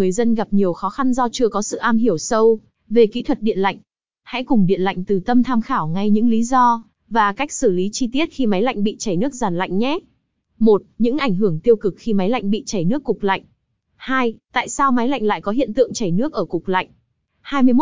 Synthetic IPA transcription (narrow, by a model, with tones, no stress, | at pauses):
ɨ˨˩əjzə˧nɣa˨˩p̚ɲi˨˩əwxɔ˨˦xa˧nzɔ˧t͡ɕɨ˧əkɔ˨˦sɨ̰˧˨ʔaː˧mɦi˧˩əwsə˧w | ve˨˩kḭ˧˥t̪ʰwə˨˩t̚ɗḭ˧˨ənla̰˧˨jŋ̟ | ha̰˧˥kʊ˨˩ŋ͡mɗḭ˧˨ənla̰˧˨jŋ̟t̪ɨ˨˩t̪ə˧mt̪ʰaː˧mxaː˧˩wŋa˧jɲɨ̰˧˥ŋli˨˦zɔ˧ | vaː˨˩ka˦˥jk̚sɨ˧˩li˨˦t͡ɕi˧t̪i˦˥ət̚xi˧ma˨˦jla̰˧˨jŋ̟ɓḭ˧˨t͡ɕə˧˩jnɨ˦˥ək̚zaː˨˩nla̰˧˨jŋ̟ɲɛ˨˦˥ | mo˨˩t̚ɲɨ̰˧˥ŋʔa˧˩jŋ̟ɦɨ˧˩əŋt̪i˧əwkɨ˨˩k̚xi˧ma˨˦jla̰˧jŋ̟ɓḭ˧˨t͡ɕə˧˩jnɨ˦˥əkːʊ˨˩k͡p̚la̰˧˨jŋ̟ | haː˧jt̪a̰ː˧˨jsaː˧wma˨˦jla̰˧˨jŋ̟la̰ː˧˨jkɔ˨˦ɦḭ˧˨ənt̪ɨ̰˧˨əŋt͡ɕə˧˩jnɨ˦˥ək̚ʔəː˧˩kʊ˨˩k͡p̚la̰˧˨jŋ̟ | haː˧jmɨ˧əjm˦˥